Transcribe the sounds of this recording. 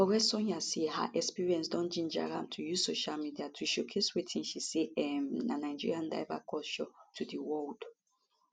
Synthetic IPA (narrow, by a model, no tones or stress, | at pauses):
ɔwɛsɔ̃ɲaseha̰ʔɛkspiɹiɛ̃nsdɔ̃nd͡ʒĩnd͡ʒa̰ɹã̰mtʰujuzsoʃalmidiatʰuʃokʰeswitʰĩnʃiseɛmnanaɪd͡ʒḭɹiãnda̰ɪva̰kʰɔʃɔtʰudiwɔld̥